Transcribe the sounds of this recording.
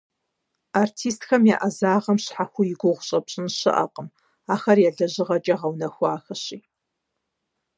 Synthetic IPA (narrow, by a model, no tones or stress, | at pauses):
artʰiːstxɐmja̰ʔɐzaːʁɐmɕħaxʷʊjɪɡʷʊʁʷʊɕʼɐpɕʼɪnɕɨ̰ʔɐ̰qʼəm | aːxɐrjɛɮɐʑɨʁɐt͡ʃʼɐʁɐwnɐxʷaːxɐɕiː